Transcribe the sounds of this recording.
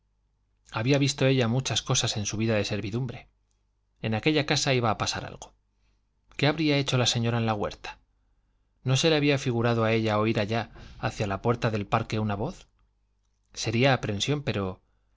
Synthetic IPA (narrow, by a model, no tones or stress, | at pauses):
aβiaβist̪o̞e̞ʎamut͡ʃasko̞sase̞nsuβ̞iðaðe̞se̞ɾβiðumbɾe̞ | enake̞ʎakasaiβaːpasa̰ɾa̰lɣo | ke̞aβɾiae̞t͡ʃo̞lase̞ɲo̞ɾaenlaɣwe̞ɾt̪ḁ | no̞se̞le̞aβiafiɣ̞uɾað̞oae̞ʎaoiɾaʎaaθjalapwe̞ɾt̪aðe̞lpaɾke̞unaβo̞θ | se̞ɾiaːpɾe̞nsjo̞mpe̞ɾo̞